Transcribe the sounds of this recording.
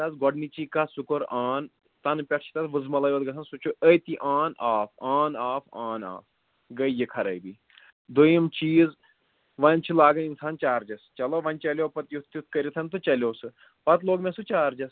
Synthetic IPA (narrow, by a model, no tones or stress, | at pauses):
t̪ɐsɡɔɖnit͡ʃikasukoɾaːn | t̪ɐnpʲɛʈʰt͡ʃʰi̥t̪ɐt̪ʋɨzmɐlɐjʋɐt̪̚ɡɐsʰɐnsut͡ʃʰuəjt̪iʔaːnaːfaːnaːfaːna̰ːf | ɡɐijikʰɐɾɐjbi | d̪ojimt͡ʃiːz | ʋɐnʲt͡ʃʰilaːɡɐninsaːnt͡ʃaːɾd͡ʒɐst͡ʃɐloʋɐnʲt͡ʃɐlʲoːpɐt̪jut̪ʰjut̪ʰkɐɾʲit̪ʰɐnt̪ut͡ʃɐlʲoːsɨ | pɐt̪loːɡmẽsut͡ʃaːɾd͡ʒɐs